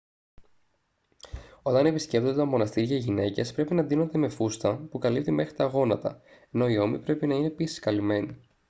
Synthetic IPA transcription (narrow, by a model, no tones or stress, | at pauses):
o̞t̪ɐne̞pisce̞p̚t̪oet̪ɐmo̞nɐst̪iɾʝɐiʝine̞ce̞spɾe̞pinɐd̪ino̞nd̪eme̞fust̪ɐpukɐlip̚t̪ime̞xɾit̪ɐɣo̞nɐt̪ɐ̰eno̞io̞mipɾe̞pinɐine̞pisi̥skɐlime̞ni